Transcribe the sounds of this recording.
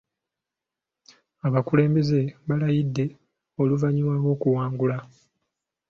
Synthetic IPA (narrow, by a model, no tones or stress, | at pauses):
aβakule̞ːmbeze̞βalajidːe̞ | o̞luvaɲiwaːβo̞ːkuwaːŋɡula